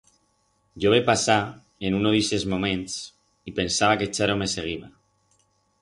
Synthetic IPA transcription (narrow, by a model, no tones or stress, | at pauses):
ʒoβ̞epasa | enunoðisezmomẽns | ipensaβ̞aket͡ʃaɾomeseɣ̞iβ̞a